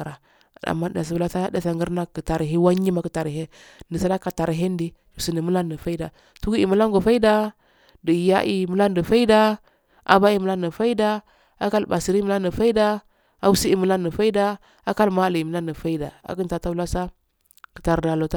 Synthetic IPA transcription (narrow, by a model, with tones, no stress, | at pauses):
ɾa˨ | a̰˨mːa˦da̰˨s̬i˨u˨la˦sa˦da˨sa˨ŋɡə˦ɾna˦kə˨ta˨ɾɦe˦wa˦ɲi˦ma˨ki˨ta˨ɾɦe˦ | ni˨sa˦la˦ka˨ta˨ɾɦe˦ndi˦ | u˨si˨ni˨mu˦la˦ni˨fa˦i˦da˨ | tu˦ɡu˦ḭ˨mu˦la˦ŋɡo˨fa˦i˦da˦ | di˨ja̰˦ʔi˨mu˦la˦ndi˨fa˦i˦da˦ | ʔa̰˨ba˦i˦˨mu˦la˦ni˨fa˦i˦da˦ | a˦ka˦lba˨si˨ɾi˦mu˦la˦ni˨fa˦i˦da˦ | a˨wu˦si˦i˦˨mu˦la˦ndi˨fa˦i˦da˦ | a˦ka˦lma˦˨li˨mu˨la˦ndi˨fa˦i˦da˨a̰˨ki˦n˦ta˨ta˦u˦la˦sa˦ | ki̥˨ta˨ɾda˨lo˨ta˦